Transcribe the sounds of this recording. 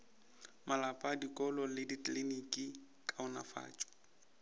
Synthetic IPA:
malapʼadikʼɔlɔlɪditlinikʼi | kʼaʊna̰fa̰ːt͡ʃʼɔ̥

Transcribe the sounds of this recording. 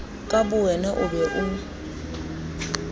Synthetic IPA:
kʼabʊwɛnɛʔʊbɛʔʊ

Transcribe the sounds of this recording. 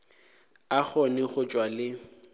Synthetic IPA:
aχɔnɪɣʊt͡ʃʼwalɪ

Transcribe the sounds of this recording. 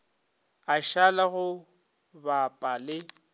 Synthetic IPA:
aʃalaɣʊ | bapʼalɪ

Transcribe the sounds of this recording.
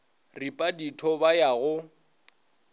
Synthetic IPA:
ripʼaditʰɔbajaɣʊ

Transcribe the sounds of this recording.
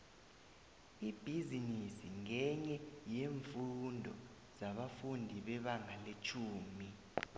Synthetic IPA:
ib̥ʱizinisiŋɛɲɛjeɱfundʱɔ | z̥aɓafundʱiɓɛɓaŋʱalet͡ʃʰuːmi

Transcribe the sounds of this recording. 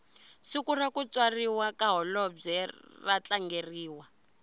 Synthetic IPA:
sikurakut͡swariwakaɦɔlɔb͡ʐɛrat͡ɬaŋɡeriːwa

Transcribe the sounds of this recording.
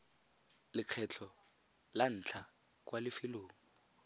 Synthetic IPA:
lɪq͡χʰɛt͡ɬʰɔ | lan̩ːt͡ɬʰa | k̬ʼwalɪfɪloːŋ̩

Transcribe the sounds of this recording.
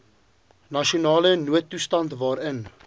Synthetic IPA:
nɐʃionɑːlənuətːustɐntvɑːɾən

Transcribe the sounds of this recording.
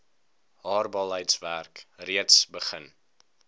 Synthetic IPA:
hɑːrbɑlˠɦəjtsværkriətsbəχən

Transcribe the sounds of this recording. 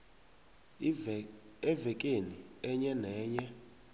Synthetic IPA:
ɛvɛkʼeniɛɲɛnɛːɲɛ

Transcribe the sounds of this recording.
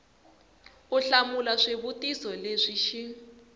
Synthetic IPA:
uɬamulaʂeβutisɔleʂiʃi

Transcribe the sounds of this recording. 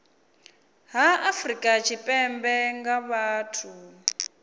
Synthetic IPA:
ɦaafrikʼat͡ʃʰipʼɛmbɛŋɡaβaːtʰu

